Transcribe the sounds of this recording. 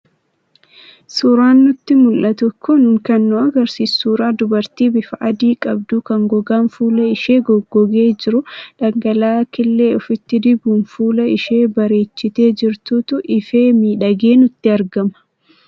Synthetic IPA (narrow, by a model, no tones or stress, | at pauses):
suːɾaːnːʊt̪ːɪmʊlʔɐt̪ɔkʰːɔnʊŋkɐnːɔɐɡɐɾsiːsːuːɾaːd̪ʊbɐɾt̪iːbɪfɐʔɐd̪iːkʼɐb̚d̪ukɐŋɡɔɡaːnfuːlɐɪʃeːɡɔɡɔɡe̞ːd͡ʒɪɾʊᶑɐŋɡɐlaːkɪlːe̞ːɔfɪt̪ːɪd̪ɪbuːnfuːlɐɪʃe̞ːbɐɾe̞ːt͡ʃːɪt̪e̞ːd͡ʒɪɾt̪uːt̪ʊʔɪfe̞ːmiːᶑɐɡe̞ːnʊt̪ːɪɐɾɡɐmɐ̥